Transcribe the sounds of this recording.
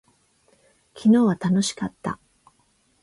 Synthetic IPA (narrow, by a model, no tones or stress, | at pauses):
kʲʰino̞ːβat̪ano̞ɕi̥kat̪ːa̰